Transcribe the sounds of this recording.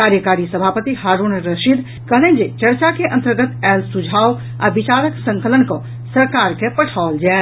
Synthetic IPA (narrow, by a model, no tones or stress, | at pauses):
kaːɾjəkaːɾisəbʱaːpət̪iɦaːɾunɾəʃid̪ | kəɦlẽnd͡ʒet͡ʃəɾt͡ʃakeʔə̃nt̪əɾɡət̪ɛːlsud͡ʒʱaːw | a̰bɪt͡ʃaːɾəksə̃ŋkələnkõ | səɾkaːɾkepəʈʰald͡ʒa